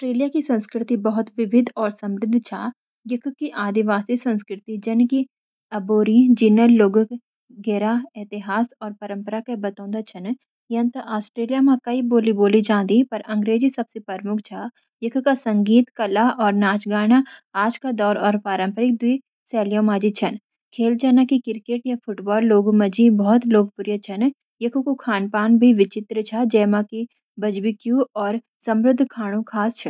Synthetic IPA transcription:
sʈɾeːlijakisɐ̃nskɾɪt̪ibɐɦʊt̪ʋɪʋɪd̪ɔːɾsɐ̃mɾɪd̪ʱːt͡ʃʰa̰ː | jɪkʰkiʔaːd̪ɪʋaːsisɐ̃nskɾɪt̪id͡ʒɐnki | ɐboːɾid͡ʒiːnəɾloːɡk | ɡɛːɾaɛːt̪ɪɦaːsɔːɾpɐɾə̃mpəɾakebɐt̪ãɔ̃ːnd̪at͡ʃʰɐn | jɐnt̪aʔaːsʈɾeːlijamãkɐiboːliboːlid͡ʒãːnd̪ipɐɾɐ̃ŋɡɾeːd͡ʒisɐbsepɐɾmʊkʰt͡ʃʰaː | jɐkʰkasɐ̃ŋɡiːt̪kɐlaʔɔːɾnaːt͡ʃɡaːɽ̃aaːd͡ʒkad̪ɔːɾɔːɾpaːɾə̃mpəɾɪk̚d̪iː | sɛːljõːmaːd͡ʒit͡ʃʰɐn | kʰeːlt͡ʃʰɐnakikɪɾkeːʈjafʰʊʈbɔːlːoːɡmɐd͡ʒibɔːt̪loːɡ̚pʊɾjət͡ʃʰɐn | jɐkʰukukʰaːnpaːnbʱiʋɪt͡ʃɪt̪ɾət͡ʃʰad͡ʒɛːmãki | bɐd͡ʒbikjuɔːɾ | sɐ̃mɾʊd̪ʱkʰaːɽ̃ũkʰaːst͡ʃʰɐ

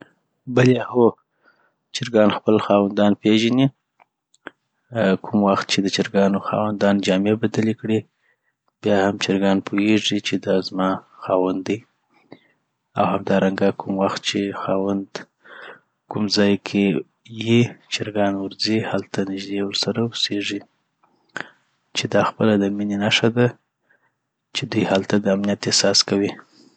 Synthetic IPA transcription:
balɑho | t͡ʃɪɾɡɑnxpəlxɑwand̪ɑnpeʒani | kʰʊmwaxt̪̚t͡ʃed̪ət͡ʃɪɾɡɑnoxɑ̰wand̪ɑnd͡ʒɑmebad̪alekɽi | b̥jɑhamt͡ʃɪɾɡɑnpʰojeʐit͡ʃed̪ɑzmɑxɑwand̪i | awhamd̪ɑɾaŋɡakʰumwaxt̪̚t͡ʃexɑwand̪ | kumzɑjkʰe | jit͡ʃɪɾɡɑnwʊɾzihalt̪anɪʒd̪ewəɾsaɾawuseʐi | t͡ʃed̪ɑxpəlad̪əminenaʂad̪a | t͡ʃed̪ujhalt̪ad̪əamnijat̪ehsɑskawi

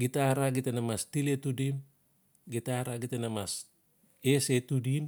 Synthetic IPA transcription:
ɡitaɾaɡitenamastiletudim | ɡitaɾaɡitenamas | esetudim

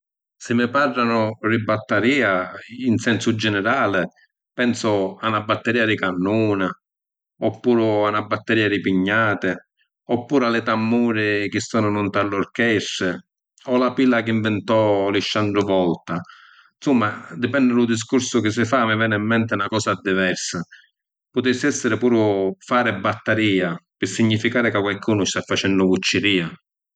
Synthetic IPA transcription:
sɪmːɪparːanʊribːat̪ːaɾiːainsɛnsʊd͡ʒɛnɪɾaːlɪ | pɛnsʊanabːat̪ːɛɾiːad̪ɪkanːuːna | ɔpːuːɾʊanabːat̪ːɛɾiːad̪ipiɲːaːt̪ɪ | ɔpːuːɾalɪt̪amːuːɾɪk̟ɪsːɔːnʊnʊnt̪allʊɾkɛsːɪ | ɔlapilːak̟ɪiɱvɪnt̪ɔliʃːandɾʊvɔlt̪a | nsumːad̪ɪpɛnːɪlʊd̪is̬kuɾsʊkɪs̬ːɪfaːmɪvɛːnɪimːɛnt̪ɪnakɔːsad̪ːivɛrsa | pʊt̪ɪsːɛsːɪɾɪpuːɾʊfaːɾɪbːat̪ːaɾiːapɪsːiɲːifikaːɾɪkakwalkuːnʊst̪afːat͡ʃɛnːʊɡut͡ʃːɪɾiːa

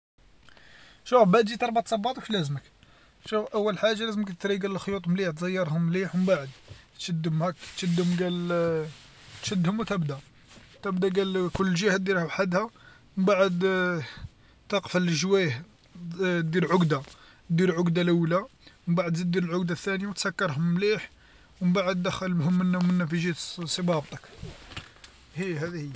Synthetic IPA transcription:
ʃufbaʕd̪ʒit̪ɑɾˤbat̪sˤɑbːɑt̪ˤwfilæzmək | ʃufʔæwːəlħaʒːalæzməkt̪ət̪ɾiɡæləlxjut̪ˤmliħt̪zəjːɑɾˤhʊmːliħəmbaʕəd̪t̪ʃəd̪ːəmhækt̪ʃəd̪əmɡæl | t̪ʃəd̪hʊmwt̪æbd̪æ | t̪æbd̪æɡælkʊlːʒəhæd̪iɾhʊħad̪hæ | əmbaʕəd̪ | t̪ɑqfəlʒwæh | d̪iɾʕʊɡd̪a | d̪iɾʕʊɡd̪alʔəwːlaməmbaʕəd̪zid̪iɾəlʕʊɡd̪aθːænjawt̪sækːɑɾˤɦʊmmliħ | wəmbaʕəd̪d̪æxælbhʊmːənːwmənːæfiʒit̪sˤəbɑb̚t̪ˤək | hihæd̪hijː

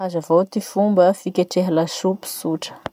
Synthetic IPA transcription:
azavowt̪ifumbəfikʲeʈ͡ʂeɦilaʃupi̥suʈ͡ʂə̥

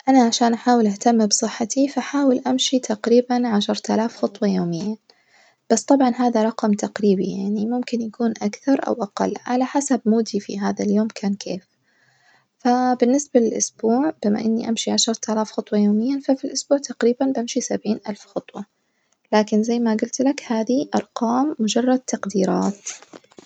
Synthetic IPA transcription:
ʔanaʕaʃaːnʔaħaːwɪlʔaht̪amːbsˤɨħːat̪ʰifʔaħaːwɪlʔamʃit̪ʰaqɾiːbanʕaʃɑɾˤt̪ʔalaːfxɑt̪ˤwɑjoːmɪjːa | b̥asːt̪ˤɑbʕɑnɦaːðaɾˤɑqɑmt̪aqɾiːbija̰ʕnimʊmkɪnjakuːnʔakθɑɾˤʔa̰wʔaqɑ̰lːʕalaħasabmuːd̪ifḭɦaːðaljoːmkʰaːnkʰeːf | fabɪnːɪsbalɪlʔʊsbuːʕbɪma̰ʔɪnːiʔamʃiʕaʃɑɾˤt̪ʔalaːfxʊt̪ˤwɑjoːmɪjːafafilʔʊsb̥uːʕt̪aqɾiːbanbamʃisabʕiːnʔalfxʊt̪ˤwɑ | laːkɪnzajːmaɡʊlt̪lakhaːðiʔɑɾˤqɑːmːʊd͡ʒɑrˤːɑd̪̚t̪aqd̪iːɾɑːt̪

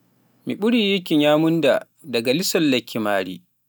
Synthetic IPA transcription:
miɓʊɽiːjɪkʲɪɲjaːmʊnda̰ː | dɐɡalɪsɐlːɐkʲːimaːɽḭː

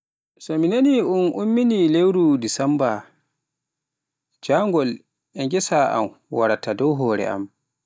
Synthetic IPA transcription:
sɔminaniunumːinilewɾudisamba | d͡ʒaŋɡɔl | ʔɛŋɡɛsaʔa̰m | waɾatadɔwɦɔːɾɛ̰a̰m

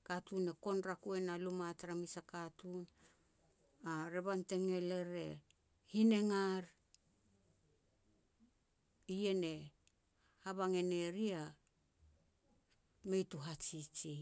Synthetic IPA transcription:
katune̞ko̞nɾakue̞nalumataɾamisakatun | aɾe̞βante̞ŋe̞le̞ɾe̞ | hine̞ŋaɾ | ije̞ne̞ | haβaŋe̞ne̞ɾia | me̞jtuɦat͡ʃit͡ʃi

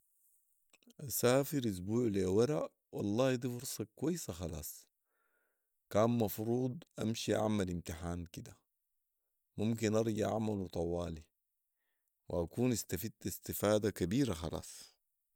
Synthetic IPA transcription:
ʔasaːfiɾʔus̬buːʕliwaɾaʔ | wɑlˤːɑːhd̪ˤiːfuɾsˤɑkuwajːsaxɑlɑ̰ːsˤ | kaːnmɑfɾuːd̪ˤʔamʃiʔa̰ʕmalimt̪iħaːnkid̪a | mumk̬inʔɑɾˤɟiʔa̰ʕmalut̪ˤɑwɑːli | wḭakuːnast̪afid̪̚t̪ist̪ifaːd̪akabiːɾaxɑlɑ̰ːsˤ

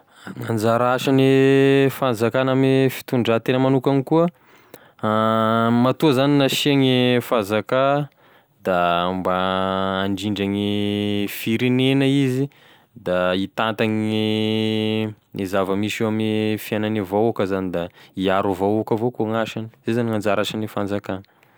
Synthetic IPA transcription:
mand͡zaɾaʃanifanzakanamifi̥t̪uɳɖ͡ʐat̪enəmanukaŋikuə | mat̪uzaninaʃiaŋifazaka | d̪ambaː | ɳɖ͡ʐiɳɖ͡ʐaŋifiɾenenəizi | d̪ait̪ant̪aŋ | nizavəmisamnifiananivowakəzanid̪aiaɾuvowakəvokoŋaʃani̥zezaniŋand͡zaɾaʃanifand͡zakanə̥

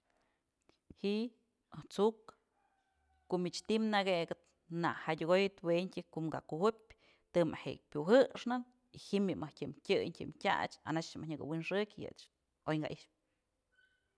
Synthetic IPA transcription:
hiʔ | at͡suk | koʔmit͡ʃt̪imnaɡeɡɨt̪̚ | na̰hadʲuɡojɨt̪weɲkʲɨkuʔmɡaʔkuhupʲ | t̪ɨma̰hḛʔ̚pʲuɦɨʂnɨn | ihimːimahtʲɨmkʲɨɲtʲɨ̰mtʲa̰t͡ʃa̰nat͡ʃmʔahɲɨɡɨ̰winʂɨkʲjɨ̰t͡ʃ | ojŋɡa̰ʔiʃp

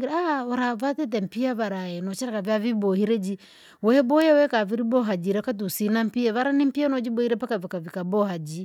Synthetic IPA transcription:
ɡiɾaaɾavatɛt̬ɛm̩piaβaɾaɛnɔt͡ʃɛɾakaviavibɔhiɾɛd͡ʒi | wɛhɛbɔjɛwɛkaviɾibɔɦad͡ʒiɾɛkat̬usinam̩piɛβaɾanim̩pianɔd͡ʒibɔhiɾɛpakavikavikabɔhad͡ʒi

